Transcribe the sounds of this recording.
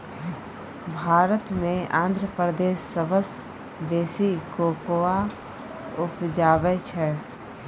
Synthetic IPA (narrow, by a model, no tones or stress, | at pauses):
bʱaːɾət̪mẽãːnd̪ʱɾəpɾəd̪eːsːəbəs | beːsikoːkoa | ʊpd͡ʒaːʋɛt͡ʃʰɛ